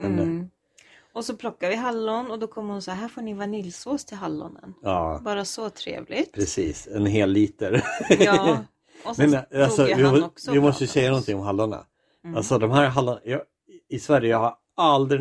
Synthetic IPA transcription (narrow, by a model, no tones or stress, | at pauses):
mɛn | ɔsɔpʰlɔkːavɪɦalːʊnɔd̪ɔkʰɔmːhʊnsɦæːɾfoːɳɪvanɪlsoːst̪ʰɪlɦalːʊ̰nə̰nɑːbɑːɾasɔt̪ʰɾḛːvlɪɡtpʰɾɛsiːsɛnɦeːlːiːt̪əɾ | mɛnalsɔvɪɔvɪmɔsəjəsɛjːanɔnt̪ʰɪŋɔmɦalːʊɳa̰ | alsɔd̪ɔmɦæːɾɦalːʊɳajɑː | ɪsvæɾjəjɑhaɾ | ald̪ɾɪ